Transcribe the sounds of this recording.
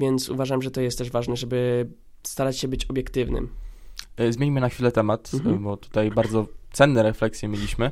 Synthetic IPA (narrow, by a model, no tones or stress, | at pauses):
vʲjɛnt̪sṵvaʐamʐɛt̪ɔjɛst̪ːɛʐvaʐnɛʐɛbɘ | st̪aɾat͡ɕɕɛbɘt͡ɕɔbjɛkt̪ɘvnɘ̰m | zmjeɲmɘnaxfʲilɛt̪ɛmat̪bɔt̪u̥t̪ajbaɾd̪zɔt̪sɛnːɛɾɛflɛksʲjɛmʲjelʲiɕmɘ